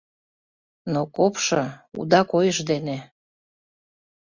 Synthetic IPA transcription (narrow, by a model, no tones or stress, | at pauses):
nokopʃɤṵd̪ɑkojəʃd̪ene